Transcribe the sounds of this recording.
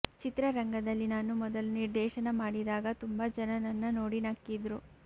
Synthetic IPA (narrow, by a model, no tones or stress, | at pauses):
t͡ʃit̪ɾɐɾɐŋɡɐd̪ɐlːinaːnumɔd̪ɐluniɾd̪ɛːʃɐnɐmaːɽid̪aːɡɐt̪umbɐd͡ʒɐnɐnɐnːɐnoːɽinakːid̪ɾu